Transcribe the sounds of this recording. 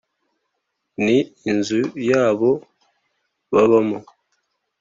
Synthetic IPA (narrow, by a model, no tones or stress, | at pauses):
niːnzujaːβo | βaβamo